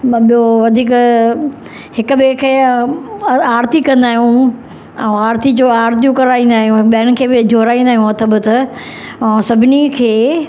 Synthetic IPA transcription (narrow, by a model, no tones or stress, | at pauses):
ɓijoʋɐd̪ʱiːk | hɪkʊɓekʰe | aːɾt̪ikɐ̃nd̪aːɦijũ | ɛ̃aːɾt̪id͡ʑoːaːɾt̪ijũkɐɾaːĩːn̆d̪aːɦijũɓeəɽ̃ɪ̆kʰeːbɪd͡ʑʱoːɾaːĩnd̪aːɦijũɐt̪ʰɐbʊt̪ | ɛ̃sɐbʱɪnikʰeː